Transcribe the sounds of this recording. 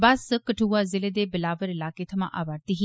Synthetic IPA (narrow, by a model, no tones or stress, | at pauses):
baskəʈʰuːazɪled̪ebɪlaːʋəɾɪlaːket̪ʰɐmã̰ʔaːʋaːɾt̪iɦi